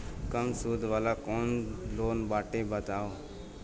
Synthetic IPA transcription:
kəmsud̪ʱʋaːlakɔːnloːnbaːʈebət̪aːo

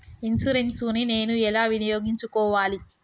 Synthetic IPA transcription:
insuɾensuːnine̞ːnuɛlaːʋinijoːɡiɲt͡ʃukɔːʋaːli

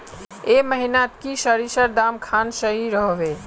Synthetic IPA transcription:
eməɦinat̪kisəɾisəɾd̪amkʰansəɦiɾəɦbe

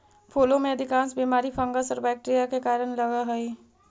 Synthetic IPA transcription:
pʰoːlõmẽəd̪ʱɪkãːnsbimaːɾipʰə̃ŋɡəsɔɾbɛk̚ʈɾijakekaːɾənləɡaɦəi

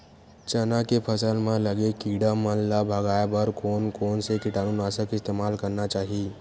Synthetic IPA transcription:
t͡ʃənakepʰəsəlmãləɡekiɖamənlabʱəɡaːebəɾkoːnkoːnsekɪʈaːnunasəkɪst̪emaːlkəɾnat͡ʃaːɦi

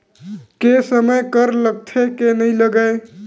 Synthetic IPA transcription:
kesəməjkəɾləɡ̚t̪ʰekenəɪləɡəj

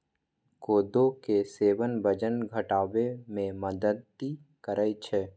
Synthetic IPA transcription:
koːd̪okeseːwənbəd͡ʒənɡʱəʈaːwemẽməd̪əd̪ikəɾəit͡ʃʰɛː

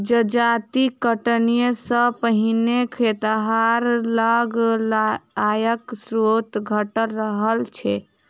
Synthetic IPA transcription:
d͡ʒəd͡ʒat̪ikəʈnijesə̃pəɦinekʰet̪ɦaɾləɡlajəksɾot̪ɡʱəʈəlɾəɦəlt͡ʃʰɛ

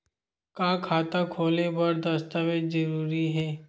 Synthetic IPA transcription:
kãːkʰaːt̪akʰoːlebɐɾd̪ɐst̪amẽd͡ʒəɾuːɾiɦɛː

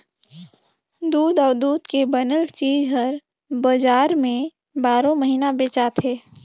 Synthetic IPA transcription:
d̪uːd̪ɔːɾd̪uːd̪kebənəlt͡ʃiːd͡ʒɦəɾ | bəd͡ʒaːɾmẽ | baːɾõməɦiːnabeːt͡ʃat̪ʰeː

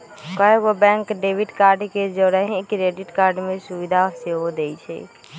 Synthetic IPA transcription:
kɔɦeʋobɛ̃ŋkɖeʋiʈkaɾɖked͡ʒəɽəɦĩkɾeɖiʈkaɾɖmẽsuʋid̪ʱaseɦod̪et͡ʃʰɛ̰

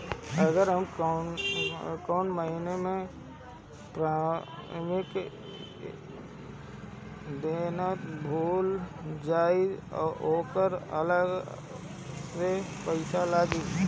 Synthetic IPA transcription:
əɡəɾɦəmkː | kɔːnməɦinemẽ | pɾaːmɪk | d̪eːnət̪bʱuːld͡ʒaːioːkəɾə̰ləɡ | sepəɪsalaːɡe

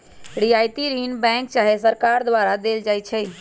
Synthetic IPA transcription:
ɾijajt̪iɾinbɛ̃ŋk̚t͡ʃaɦesəɾkaɾd̪ʋaɾad̪eld͡ʒajt͡ʃʰɛ

